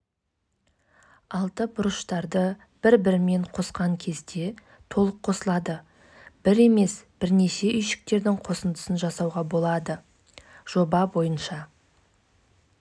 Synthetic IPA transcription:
ɑlˠt̪əbʊɾəʃt̪ɑɾd̪ə | b̥ɪɾbɪɾme̞ɴqʰo̞sqɑŋkʲʰe̞zd̪e̞ | t̪ʰo̞lˠəqʰːo̞səlˠɑd̪ə | b̥ɪɾe̞me̞sb̥ɪɾne̞ʃe̞ʔʏjʃɪ̥k̚t̪e̞ɾd̪ɪɴqʰo̞sənd̪əsənʒɑsɑwʁɑbo̞lˠɑd̪ə | ʒ̥o̞bɑbo̞jənʃɑ

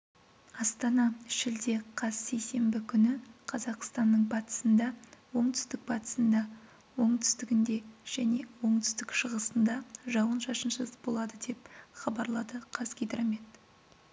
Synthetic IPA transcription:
ɑst̪ɑnɑʃɪld̪e̞qʰɑzse̞jse̞mbɪkʲʰʏnɪqʰɑzɑqst̪ɑnːəɴbɑt̪ə̥sənd̪ɑwo̞ɴt̪ʰʏ̥st̪ɪk̚bɑt̪ə̥sənd̪ɑ | wo̞ɴt̪ʰʏ̥st̪ɪɡʲɪnd̪e̞ʒ̥æne̞wo̞ɴt̪ʰʏ̥st̪ɪkʃəʁəsənd̪ɑʒɑwənʃɑʃənʃəzbo̞lˠɑd̪əd̪e̞p̚χɑbɑɾlˠɑd̪əqʰɑzɡʲejt̪ɾɑmet̪

